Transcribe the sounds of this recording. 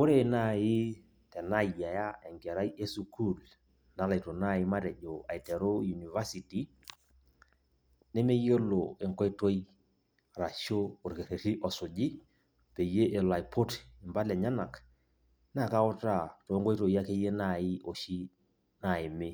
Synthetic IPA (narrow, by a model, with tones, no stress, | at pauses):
o˦ɾe˦˨na˦˨ɪ˦ | tɛ˨na˦˨ja˨ja˦ɛ˨ŋɡɛ˨ɾa˦je˦su˨kʰu˦˨l | na˨˦la˨jto˨na˦˨ɪ˦ma˦ɾɛ˨ʄo˨a˨jtɛ˨ɾo˦ju˨ni˨va˦si˨ti˨ | ne˦me˦jo˦lo˨e˨ŋkɔ˦jto˦j | ɾa˨ʃo˦ʊ˨ɾke˨ɾe˨ɾi˦ʔɔ˨sʊ˨d͡ʒɪ˦ | pe˨je˦ʔe˨la˨jpʰo˦tɪ˨mba˦lɛ˨ɲa˦na˨k | na˦˨ka˦ʊ˦ta˦˨to˨˦ŋɡɔ˦jto˨ja˦ke˦je˦na˦˨ɪ˦ʔo˨ʃi˦ | na˨ɪ˨mɪ˦